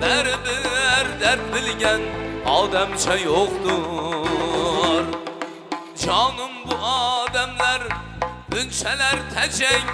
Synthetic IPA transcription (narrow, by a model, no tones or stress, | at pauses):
baɾɪbɪɾd̪aɾt̪̚bɪlɡʲanɒd̪amt͡ʃʰajoqd̪ʊ | ɾ | d͡ʒɒnʊmbʊɒd̪amlaɾ | ʊnʃalaɾt̪ʰat͡ʃʰaj